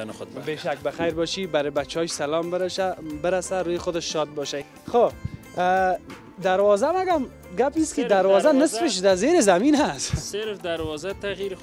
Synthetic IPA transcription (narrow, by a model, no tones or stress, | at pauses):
nʊbeʃak̚baxajɾbɔʃibaɾɪbat͡ʃɒʃsalɔmabɪɾasaɾujɪxʊd̪ɪʃːɔd̪̚bɔʃa | xo | d̪aɾwɔzamaɡam | ɡapiskɪd̪aɾwɔzanɪsfɪʃ̬d̪azeɾɪzaminɦasseɾfd̪aɾwɔzat̪aɣiɾ